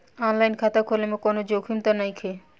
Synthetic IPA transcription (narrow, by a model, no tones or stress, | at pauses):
ɔnlajnkʰat̪akʰolemokɔnod͡ʑoɡhimt̪anajkʰe